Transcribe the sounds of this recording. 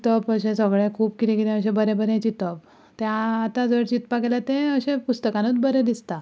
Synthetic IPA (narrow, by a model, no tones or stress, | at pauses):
t̪əpəɕẽsəɡɭẽkʰuːpkit̪ĩkit̪ẽəɕẽbəɾẽbəɾẽt͡ɕit̪əp | t̪eːt̪ad͡zəɾt͡ɕit̪pakelat̪ẽəɕẽpust̪əkãnət͡sbəɾẽd̪ist̪a